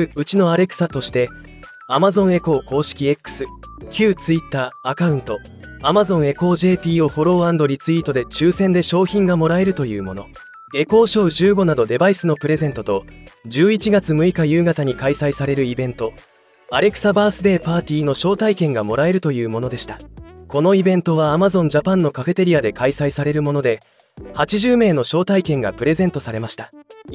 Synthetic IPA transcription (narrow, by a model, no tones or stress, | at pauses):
ɯ̟t͡ɕino̞aɾe̞kɯ̥sat̪o̞ɕi̥t̪e̞ | amazõ̞ɰ̃e̞ko̞ːko̞ːɕi̥kʲie̞kːɯ̥sɨ | kʲɨːt͡sɨit̪ːaːkaɯ̟̃nt̪o̞ | amazõ̞ɰ̃e̞ko̞ːʑe̞ːpʲiːo̞ho̞ɾo̞ːãnd̪o̞ɾʲit͡sɨit̪o̞d̪e̞t͡ɕɨːsẽ̞nd̪e̞ɕo̞ːçĩŋɡamo̞ɾae̞ɾɯ̟t̪o̞jɯ̟ːmo̞no̞̰ | ɡe̞ko̞ːɕo̞ːʑɨːɡo̞nad̪o̞d̪e̞baisɨno̞pɯ̟ɾe̞zẽ̞nt̪o̞t̪o̞d͡ʑɨːit͡ɕiɡat͡sɨmɯ̟ikajɯ̟ːɡat̪aɲ̟ikaisaisaɾe̞ɾɯ̟ibẽ̞nt̪o̞ | aɾe̞kɯ̟̥sabaːsɨd̪e̞ːpaːt̪ʲiːno̞ɕo̞ːt̪aikẽ̞ŋɡamo̞ɾae̞ɾɯ̟t̪o̞jɯ̟ːmo̞no̞d̪e̞ɕi̥t̪ako̞no̞ibẽ̞nt̪o̞β̞aːmazõ̞ɲ̟d͡ʑapãnːo̞kafe̞t̪e̞ɾʲiad̪e̞kaisaisaɾe̞ɾɯ̟mo̞no̞d̪e̞ | hat͡ɕiʑɨːme̞ːno̞ɕo̞ːt̪aikẽ̞ŋɡa̰pɯ̟ɾe̞zẽ̞nt̪o̞saɾe̞maɕi̥t̪a